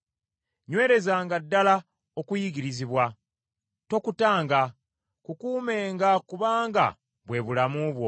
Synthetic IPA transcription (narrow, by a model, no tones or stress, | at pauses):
ɲwe̞ːɾe̞zaːŋɡadːala | o̞kujiɡiɾiziβwa | to̞kutaːŋɡa | kukuːme̞ːŋɡakuβaːŋɡa̰ | βwe̞βulamuβwo̞